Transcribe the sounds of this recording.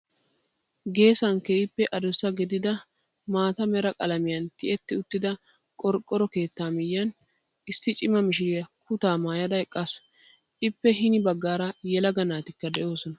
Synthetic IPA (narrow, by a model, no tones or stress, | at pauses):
ɡe̞ːsɐŋkeɪpːɛʔɐd̪ʊsɐɡɛd̪ɪd̪ɐ | maːt̪ɐmɛɾɐkʼɐlɐmɪjɐnt̪ɪʔɛt̪ːɪʊt̪ːɪd̪ɐ | kʼɔɾkʼːɔɾɔke̞ːt̪ːaːmɪjːɐn | ɪsːɪt͡ʃʼɪmɐmɪʃɪɾɪjɐkʊt̪aːmaːjɐd̪ɐɛkʼːasʊ̥ | ʔɪpːɛɦɪnɪbɐɡːaːɾɐjɛlɐɡɐnaːt̪ɪkːɐd̪ɛʔo̞ːsɔnɐ